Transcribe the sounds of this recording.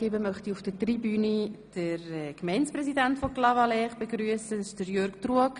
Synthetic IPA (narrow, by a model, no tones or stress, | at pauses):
ebəmœχtiufd̥ətribyːnid̥əɾkmɛɪnsprɛsidæntfɔklɑvɑlɛːχb̥eɡɾyːəsədɪʃd̥əɾjøɾɡtruək